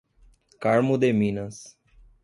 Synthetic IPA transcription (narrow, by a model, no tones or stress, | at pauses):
kaɾmʊd̪emĩnɐs